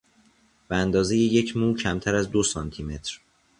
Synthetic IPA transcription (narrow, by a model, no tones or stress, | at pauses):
b̥eænd̪ɒːze̞jeje̞cʰmuːcʰæmt̪ʰæɾæzd̪o̞sɒnt̪ʰime̞t̪ʰɾ